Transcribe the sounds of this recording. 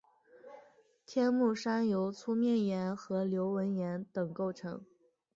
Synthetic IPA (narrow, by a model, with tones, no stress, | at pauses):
t̪ʰjɛ˥nmu˥˩ʂa˥njo˧˥ʊt͡sʰu˥mjɛ˥˩njɛ˧˥nxɤ˧˥ljo˧˥ʊwə˧˥njɛ˧˥nt̪ɤ˨˩ŋko˥˩ʊʈ͡ʂʰɤ̰˧˥ŋ